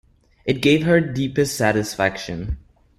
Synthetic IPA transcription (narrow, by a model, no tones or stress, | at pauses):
ʔɨt̚ɡ̥eɪvɦə˞dipɨstsæɾɨsfækʃɨ̃n